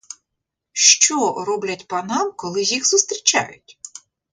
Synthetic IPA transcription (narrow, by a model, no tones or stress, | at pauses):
ʃt͡ʃɔrɔblʲɐtʲpɐnɑmkɔlˠɪzʲjixz̥ʊst̪ɾʲit͡ʃa̰jʊtʲ